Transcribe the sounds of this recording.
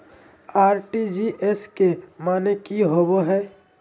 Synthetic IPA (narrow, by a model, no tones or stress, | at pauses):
aːɾʈid͡ʒiʔeskemaːnekiɦoːboɦɛː